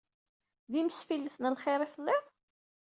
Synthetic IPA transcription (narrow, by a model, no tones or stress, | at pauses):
ðiməsfilːəθnælχɪɾˤiθəlːeðˤ